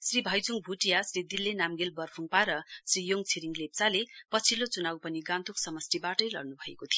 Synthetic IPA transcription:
sribʱʌjd͡zuŋbʱuʈijasrid̪ilːenamɡelbʌrpʰuŋpaɾʌsrijoŋt͡sʰiɾiŋɡlep̚t͡salepʌt͡sʰilot͡sunabwpʌniɡãnt̪uksʌmʌsʈ̪ibaʈʌjlʌ̰rnubʱʌḛkot̪ʰijo

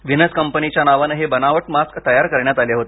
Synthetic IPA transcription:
ʋinəskəmpənit͡ɕjanaʋanɦebənaʋəʈmaskt̪əjaɾkəɾɳjat̪aljeɦot̪e̥

